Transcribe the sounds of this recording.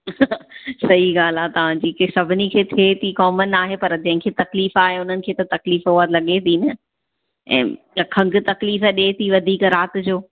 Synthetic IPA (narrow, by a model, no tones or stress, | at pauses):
sɐɦiɡaːl̤aːt̪ɐʋ̤ãd͡ʑiːksɐbʱɪnikʰeːt̪ʰet̪ʰikɔːmənaːɦepɐɾd͡ʑɐ̃ɦɪ̃kʰeːt̪ɐkliːfaːɦeʊn̤ənɪ̆kʰeːt̪ɐt̪ɐkliːfoəlɐɠet̪ʰinɐ | ɛ̰̃ː | kʰɐ̃ŋɡʊ̆t̪ɐkliːfɗeːt̪ʰiʋɐd̪ʱiːkɾaːt̪ɪd͡ʑoː